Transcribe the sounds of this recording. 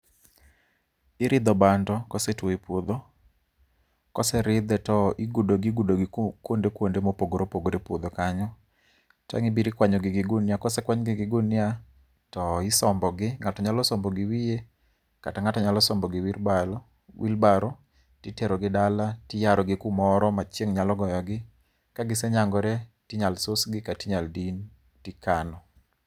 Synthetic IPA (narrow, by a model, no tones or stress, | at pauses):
ɪɾɪd̪ɔbandɔkɔsetwoipod̪o | kɔsɛɾɪd̪ɛtɔɪɡudoɡɪɡudoɡɪkwondekwondemopoɡoɾopoɡoɾepwod̪okaɲɔ | ta̰ŋɪbiɾikwaɲɔɡɪɡɪɡunjakɔsɛkwaɲɡɪɡɪɡunja | tɔɪsɔmbɔɡɪŋatɔɲalɔsɔmbɔɡɪwije | ka̰taŋatɔɲalɔsɔmbɔɡɪwilbal | wʔḭlbaɾɔ | tɪtɛɾɔɡɪdalatɪjaɾɔɡɪkumɔɾɔmat͡ʃeŋɲalɔɡɔjɔɡɪ | kaɡɪsɛɲaŋɡɔɾɛtɪɲalsosɡɪkatɪɲaldin | tɪkanɔ